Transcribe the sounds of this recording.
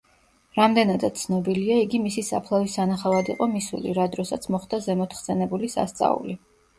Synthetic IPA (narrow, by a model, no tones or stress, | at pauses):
ɾamd̪ɛnad̪at̪t̪sʰnɔbiliaiɡimisisa̰pʰlˠavisanaχavad̪iqʼɔmisṵlḭɾad̪ɾɔsat̪sʰmɔχd̪azɛmɔt̪ʰχsɛnɛbulisa̰st̪sʼa̰ṵli